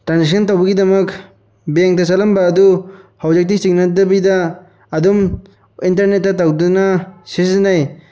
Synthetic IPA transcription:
tɾansisʰɐntawbɐɡidɐmɐk | beŋtasalɐmbɐːduhawd͡ʒek̚tisiŋnadɐbidaː | dum | intɐɾnet̚ːatawdunasiszinaj

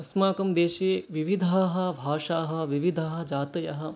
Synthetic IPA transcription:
ɐsmaːkɐmd̪eːʃeːʋiʋid̪ʱaːɦɐ̆bʱaːʂaːɦɐ̆ʋiʋid̪ʱaɦɐ̆d͡ʒaːt̪ɐjɐɦɐ̆

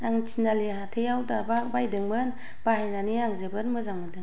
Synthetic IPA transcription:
aŋt͡ʃʰinaliɦatʰejawdababajdɯŋmɯn | b̥aajnaniaŋzɯbɯnmɯzaŋmadɯŋ

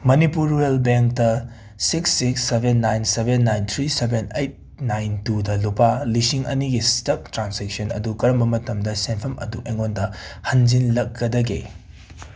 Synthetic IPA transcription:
mɐnipuɾuelbeŋk̚tɐ | siksːiksːebʱenːajnsebenːajnt̪ʰɾisebʱenejt̚ | najntudɐlupalisiŋɐ̰niɡistɐk̚tɾansek̚sɐnɐ̰dukɐɾɐmbɐmɐtɐmdɐsenpʰɐmɐ̰duʔeŋondɐhɐnzinlɐkːɐdɐɡḛ

